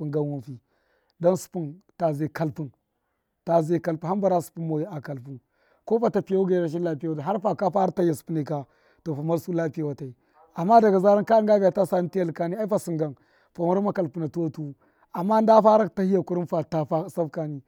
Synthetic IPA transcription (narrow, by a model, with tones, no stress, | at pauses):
pu˨ŋɡa˦nwu˦nfi˨ | do˦nsu̥˨pu˦nta˨ze˨ka˨lpu˦n | ta˨ze˦˨ka˨lpu˨nha˦mba˨ɾa˦su̥˨pu˦mo˨ji˦a˨ka˨lpu˨n | ko˦fa˦ta˨pi˨ja˦wu˦ɡa˦˨ɾa˦ʃ̬i˦nla˦pi˦a˦wa˨ta˨ɦa˦ɾfa˨ka˦fa˦ɾa˦ta˦ja˨su̥˨pu˦ni˨ka˨ | to˨fa˨ma˦ɾsu˦la˦pi˦ja˨wa˨ta˨i˨ | a˨mːa˦da˨ɡa˨za˦ɾa˦nka˦ŋɡa˦bʲi˨ja˨ta˦sa˦ni˦ti˦ja˦lka˦ni˦a˦i˦fa˨si˨ŋɡa˨n | fa˨ma˦ɾa˦ma˦ka˨lpu˦na˨two˦tu˦ | a˨mːa˦n˦da˦fa˦ɾa˦˨ta˦hi˦ja˨ku˦ɾi˦nfa˨ta˦fa˦sa˦fka˦ni˦